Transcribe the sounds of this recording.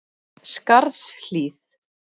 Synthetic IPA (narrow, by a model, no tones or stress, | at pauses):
skaɾðsl̥iːθ